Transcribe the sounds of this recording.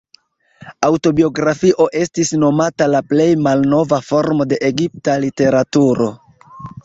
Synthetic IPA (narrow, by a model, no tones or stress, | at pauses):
awto̞bio̞ɡɾafiʔo̞ʔe̞stisno̞matalaple̞jmalno̞vafo̞ɾmo̞de̞ʔeɡip̚talite̞ɾatuɾo̞̰